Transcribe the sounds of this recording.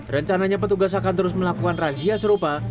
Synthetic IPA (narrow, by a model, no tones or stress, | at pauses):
rəɲt͡ʃanaɲap̬ət̪uɡas̬akant̪əɾʊs̬məlakukanrad͡ʒiasəɾupa